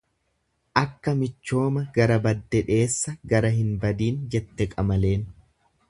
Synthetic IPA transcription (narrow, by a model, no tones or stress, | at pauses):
ʔɐkːɐmɪt͡ʃːo̞ːmɐɡɐɾɐbɐd̪ːɛᶑe̞ːsːɐɡɐɾɐɦɪnbɐd̪iːnd͡ʒɛt̪ːɛkʼɐmɐle̞ːn